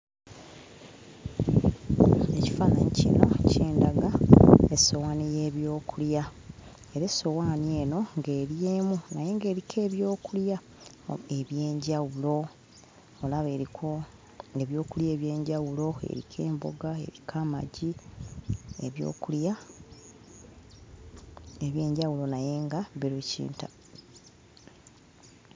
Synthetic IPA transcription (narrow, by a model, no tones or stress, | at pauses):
e̞ci̥fana̰ɲicḭno̞̰cʰeːndaɡaeso̞waːnijeːβjo̞ːkʰulja | eɾeso̞waːnie̞ːno̞ŋɡe̞ːɾjeːmunajeŋɡe̞ːɾikʰe̞ːβjo̞ːkulja | e̞βje̞ːɲɟawulo̞ | olaβe̞ːɾikʰo̞ | e̞βjo̞ːkulje̞ːβje̞ːɲɟawulo̞ḛɾḭkʰe̞ːmbo̞̰ɡae̞̰ɾikʰama̰ɟi | ḛβjo̞̰ːkulja | eβje̞ːɲɟawulo̞naje̞ŋɡaβeɾucḭːnta̰